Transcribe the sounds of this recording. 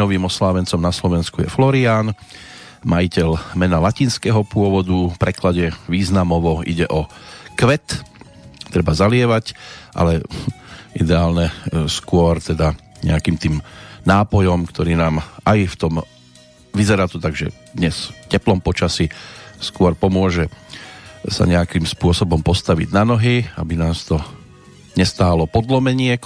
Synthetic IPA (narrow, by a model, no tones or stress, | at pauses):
ɔʋiːmɔslaːʋɛnt͡sɔmnaslɔʋɛnskujɛflɔɾiaːn | majicɛlmɛnalaciːnskɛɦɔpʊɔʋɔd̪upɾɛklaɟɛʋiːznamɔʋɔʔḭɟɛʔɔkʋɛt̪ | t̪ɾɛbazalɪɛʋacʔa̰lɛ | ʔid̪ɛaːlɲɛskʊɔɾt̪ɛd̪a | ɲɛ̰akiːmt̪iːmnaːpɔjɔmkt̪ɔɾiːnaːmʔajft̪ɔm | ʋizɛɾaːt̪ut̪aɡʒɛ̰ | d̪ɲɛscɛplɔmpɔt͡ʃasiskʊɔɾpɔmʊɔʒɛ | sa̰ɲɛakimspʊɔsɔbɔmpɔst̪aʋḭɟnanɔɦia̰binaːst̪ɔ | ɲɛst̪aːlɔpɔd̪lɔmɛɲɪɛ